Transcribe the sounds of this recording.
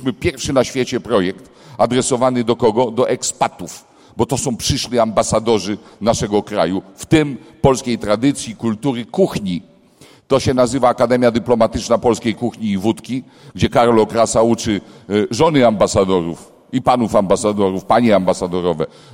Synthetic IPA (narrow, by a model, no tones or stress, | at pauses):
mɘpʲjɛɾfʂɘnaɕfʲjɛt͡ɕɛpɾɔjɛkt̪ | ad̪ɾɛsɔvanɘd̪ɔkɔɡɔd̪ɔʔɛkspat̪uf | bɔt̪ɔsɔ̃w̃pʂɘʂlʲiambasad̪ɔʐɘnaʂɛɡɔkɾa̰juft̪ɪmpɔlskʲejt̪ɾad̪ɘt̪sʲjikult̪uɾɘkuxɲi | t̪ɔɕɛnazɘvaːkad̪ɛmʲjad̪ɘplɔmat̪ɘt͡ʂnapɔlskʲejkuxɲiːvut̪kʲi | ɡd͡ʑɛkaɾlɔkɾasaut͡ʂɘʐɔnɘambasad̪ɔɾṵf | ipanufambasad̪ɔɾufpaɲɛambasad̪ɔɾɔvɛ